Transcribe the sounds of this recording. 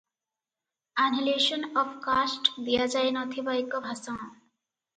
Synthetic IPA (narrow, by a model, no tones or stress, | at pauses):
anɦileʃɔnɔfkasʈd̪ijad͡ʒajnɔt̪ʰibaikɔbʱasãː